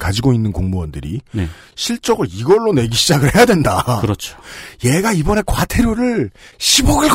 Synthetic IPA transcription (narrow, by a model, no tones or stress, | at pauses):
kad͡ʑiɡoinːɯnkoŋmuwʌndɯɾḭne | ɕʰiɭt͡ɕ͈ʌɡɯɭiɡʌɭːone̞ɡiɕʰid͡ʑaɡɯɭhe̞jadwe̞ndakɯɾʌt͡ɕʰo̥je̞ɡaibʌne̞kwatʰe̞ɾjoɾɯɭɕʰiboɡiɭɡ